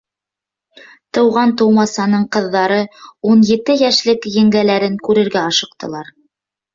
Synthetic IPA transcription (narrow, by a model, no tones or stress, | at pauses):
t̪ɤ̆wʁɑnt̪ɤ̆wmɑsɑnɤɴqɤ̆ðːɑɾɤunjɘ̆t̪ɘjæʃlɘkjɘ̆ŋɡælæɾɘŋkʉɾɘ̆ɾɡæɑʃɤ̆qt̪ɤ̆lˠɑɾ